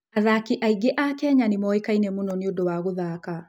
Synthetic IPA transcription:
aðakiʔaiɡeʔakɛɲanemɔekainɛmonɔneodowaɣoðaka

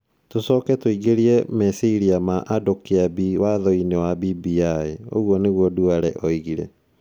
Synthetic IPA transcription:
tosɔːkɛtoiɣeɾiɛmɛsiɾiamaʔadokiabiwaðɔinewabibiaeo̰ɣwɔneɣwɔduaɾɛ̰ʔɔiɣiɾɛ̰

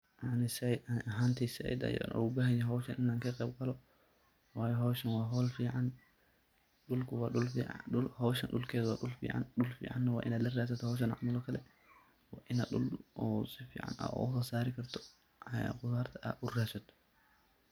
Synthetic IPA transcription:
jaʕnɪsɐɦaːnt̪ʰisɪɛ̰jd̪ɐ̰jɔ̰nʔɔ̰ʊbɐːɦɐjɛɦɔwʃɐnʔɪnaːŋkʰɐqɛːbɡɐlɔ | waːjɔɦɔːʃɐnwɑːɦɔːlfiːʕan | ɗʊlkʰʊwɑːɗʊlfḭʕ̰ʊlhɔwʃɐnɗʊlkʰɛːðwaːɗʊlfḭːʕa̰nɗʊlfḭːʕa̰nːɐwɑ̰ːʔɪ̰naːlɐraːsɐt̪ʰɔhɔːʃ̬ɐnʔa̰ʕmɐlɔkʰɐlɛ | wɑːʔɪnɐ̰ɗʊ̰lʔɔːsɪfḭːʕa̰nɐ̰ɔ̰ːʔʊsɔsaːɾɪkʰɐrt̪ʰɔ̥̰ | qʊðaːrt̪ʰɐʔɐ̰ʔʊraːʃɐt̪

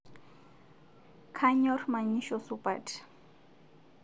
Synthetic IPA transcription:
kʰaɲɔrmaɲiʃɔsupat

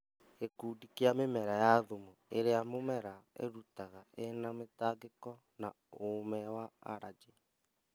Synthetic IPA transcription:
ekuːdikeamemɛɾajaðomueɾeamomɛɾaḛɾutaɣaenametaːɡekɔ | na | omɛwaa̰ɾad͡ʒe

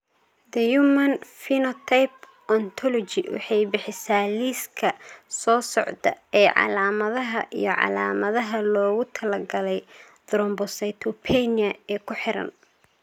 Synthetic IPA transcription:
d̪ɐjumɐnfinɔt̪ʰajp | ɔnt̪ʰɔlɔt͡ʃɪwɑ̰ħɑjbɪħɪsaːliːskʰɐsɔːsɔʕd̪ɐ̰ɛːʕɑ̰laːmɐðɐɦɐʔḭjɞʕɑ̰laːmɐðɐɦɐlɔːɣʊt̪ʰɐlɐɡɐlɛj | d̪̥ɾɔmbɔsɐjt̪ʰɔpʰɛnɐɛːkʰʊħɪɾɐ̰n

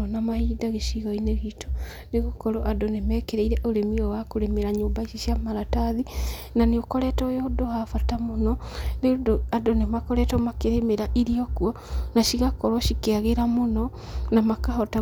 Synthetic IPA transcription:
namahidaɣeʃiɣɔineɣito̥ | neɣokɔɾoʔadonemɛːkeɾeiɾɛʔoɾemiɔwakoɾemeɾaɲoːmbaisiʃiamaɾataði | naneokɔɾɛtɔjodohafatamonɔneodoadonemakɔɾɛtɔmakeɾemeɾaʔiɾiɔkuɔ | naʃiɣakɔɾɔʃikeaɣeɾamonɔ | namakahɔta

